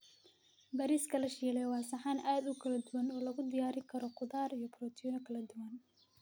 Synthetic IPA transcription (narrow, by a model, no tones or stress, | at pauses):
bɐɾiːskʰɐlɐʃɛlɛwɑːsɐħanʔaːd̪ʊkʰɐlɐd̪ʊwɐnɔːlɐɣʊd̪ɪjaːɾɪkʰɐɾɔqʊðaːɾijɔpʰrɔt̪ʰiːnɐkʰɐlɐd̪ʊwɐn